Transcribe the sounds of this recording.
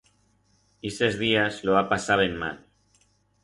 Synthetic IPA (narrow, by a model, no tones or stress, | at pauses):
esezðiazloapasaβenma̰l